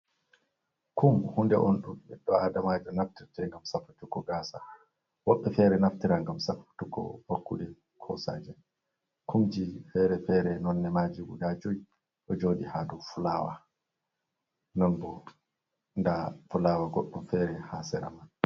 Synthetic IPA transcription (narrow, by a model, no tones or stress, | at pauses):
kʰumhundɛ̰ʔɔnɗumɛɗːɔaːdamaːd͡ʒɔnaftiɾtɛŋɡamsafutukːɔɡaːsa | wɔɓːɛfɛːɾɛnaftiɾaŋɡamsafu̥tukɔ̰wakːṵlɛ | kʰɔ̰sa̰d͡ʒɛ | kʰumd͡ʒifɛɾɛfɛːɾɛnɔnːɛmaːd͡ʒiwṵdad͡ʒɔji | ʔɔd͡ʒoːɗihaːdufulaːwa̰ | nɔnbɔ | ndafulaːwaɡɔɗːumfɛːɾɛhaːsɛɾa̰man